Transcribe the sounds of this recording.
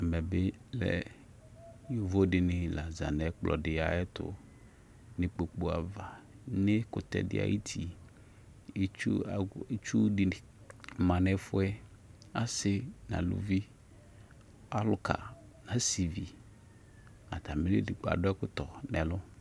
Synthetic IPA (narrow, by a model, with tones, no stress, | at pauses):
ɛ˨mɛ˨bɪ˦lɛ̰˨ | ji˦vo˦dɪ˨nɪ˨la˨za̰˨nɛ˨k͡plʔɔ̰˨dɪ˨a˨ɛ˦t̪ʊ̰˦ | nɪ̃˨k͡po˨k͡pu˦a˨va˨nɪ˦kʊ˨t̪ɛ̰˦dɪ̰˦a̰˨ji˦t̪ʰi˨˦ | t͡ʃu˦a˨e˦t͡ʃu˦dɪ˨nɪ˨ | mã˨nɛ˦fʊ˦ɛ˦ | a˦sɪ˦nã̰˨lʊ̰˦vi˦ | a˦lʊ˦ka̰˨ | nã˦si˨vi˨ | a˨t̪a˨me˦nɪ̰˦dɪ˨ɡ͡ba̰˨dʊ˦ɛ˦kʊ˦t̪ɔ˨nɛ˨lʊ˦